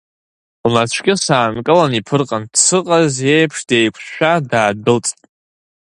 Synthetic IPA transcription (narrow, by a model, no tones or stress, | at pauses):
lnat͡ʃʷʰɡʲɪsaːnkʼɨlanipʰɨrqʼandsɨqʼaze̞jpʰʂdejkʷʰʃʃᶣadaːdɨlt͡sʼtʼ